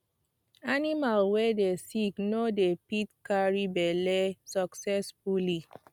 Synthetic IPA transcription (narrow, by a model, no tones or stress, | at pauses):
animalwɛdesiknodepitkaɹibɛlɛsɔksɛsfuli